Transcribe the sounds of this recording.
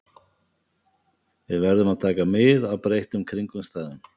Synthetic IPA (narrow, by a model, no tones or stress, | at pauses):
vɪðvɛɾðʏmaðt̪ʰaːkamɪðawpɾejht̪ʏmkʰɾiŋkʏmst̪aːðʏn